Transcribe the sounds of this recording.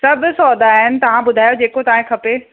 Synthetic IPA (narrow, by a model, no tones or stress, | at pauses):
sɐbʱʊsɔːd̪ʱaːɦɪnɪ̆t̪ɐʋ̤ãbʊd̪ʱaːjod͡ʑeːkot̪ɐʋãɦẽkʰɐpe